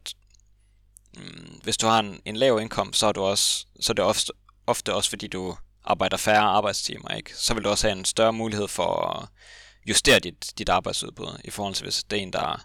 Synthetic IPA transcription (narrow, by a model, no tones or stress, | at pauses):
ʋe̝sd̥uhɑ̈e̝ne̝nlɛːʊe̝nkʰɒ̽m̰ssɒ̽hɑd̥uɒ̽sːɒ̽d̥e̝ɒf | ɒ̽fd̥əɒ̽sfɒ̽d̥ḭːd̥uʔɑ̈ːb̥ɑ̈ɪd̥ɐfæɐɑ̈ːb̥ɑ̈ɪd̥st͡sʰḭːmɐḛɡ̥sɒ̽ʋe̝lduɒ̽shæe̝nsd̥ɶɐmuːlihe̝ð̰ˠfɒ | jusd̥e̝̰ːɐd̥id̥d̥id̥ɑ̈ːb̥ɑ̈ɪd̥suð̞ˠb̥ṵð̞ˠifɒːhɒ̽l̰t͡sʰe̝ʋe̝sd̥æɐe̝ːnd̥ɑ̈æɐ